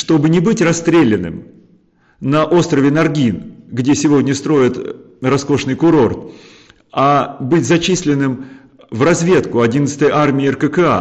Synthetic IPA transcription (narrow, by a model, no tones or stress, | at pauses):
ʂt̪o̞bɨnʲɪbɨtʲrɐst̪ɾʲelʲɪnːɨ̰m | nɐʔo̞st̪ɾəvʲɪnɐrɡʲinɡdʲesʲɪvo̞dʲnʲəst̪ɾo̞ɪt̪ | rɐsko̞ʂnɨjkʊɾo̞rt̪ | abɨtʲzɐt͡ɕisʲlʲɪnːɨm | vrɐzvʲe̞t̪kʊɐdʲinət̪sə̥t̪əjʔarmʲɪɪərkəkɨa̰